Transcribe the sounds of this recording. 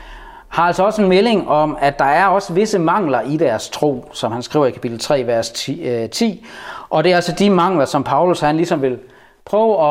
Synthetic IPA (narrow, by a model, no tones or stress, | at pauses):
hɑ̈ælsɒ̽ɒ̽senmele̝ŋɒ̽mæd̥ːɑ̈æɐɒ̽səʋe̝səmɑ̈ŋ̰lɐʔid̥æɐst͡sʰʁo̝̰ːsɒ̽mhænsɡ̥ʁḭʊ̰ɐikʰæpid̥l̩t͡sʰʁɛ̰ːʋæɐst͡sʰḭːʔɒ̽d̥e̝ælsɒ̽d̥imɑ̈ŋ̰lɐsɒ̽mpʰɑ̈ʊlushænlisɒ̽mʋe̝l | pʰʁœːʊɒ̽